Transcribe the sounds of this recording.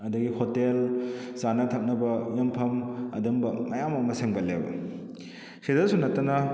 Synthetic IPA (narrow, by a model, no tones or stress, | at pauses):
ɐdɐɡihotelzanɐtʰɐk̚nɐbɐjɐmpʰɐmɐ̰dɐmbɐmɐjamɐmɐseŋbɐlḛbɐ̰ | sedɐsunɐtːɐnɐ